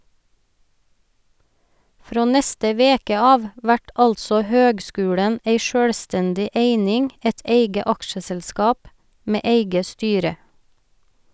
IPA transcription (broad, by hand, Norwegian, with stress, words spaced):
ˈfɾoː ˈnɛstə ˈʋeːkə ˈɑːʋ ˈʋæʈ ˈɑlsɔ ˈhøːɡˌskʉːɽən ˈæɪ ˈʃøːɽˌstɛndɪ ˈʔeɪnɪŋ ˈɛt ˈʔeɪɡə ˈɑkʃəsɛlˌskɑːp ˈmeː ˈʔeɪɡə ˈstyːɾə